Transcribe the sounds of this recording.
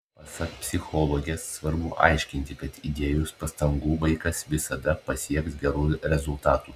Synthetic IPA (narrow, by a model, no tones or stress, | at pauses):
pɐsɐkpʲsʲɪxoːlˠoːɡʲɛsːʋɐɾbʊʔɐ̰ɪʃʲkʲɪnʲt̪ʲɪkɐt̪id̪ʲeːjʊspɐst̪ɐŋɡuːbɐɪkɐsʋʲɪsɐd̪ɐpɐsʲiɛksɡʲɛɾuːɾʲɛzʊlˠt̪ɑːt̪uː